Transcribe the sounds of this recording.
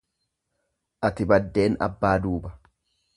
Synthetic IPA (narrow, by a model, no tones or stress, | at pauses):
ʔɐt̪ɪbɐd̪ːe̞ːnɐ̰bːaːd̪uːbɐ̥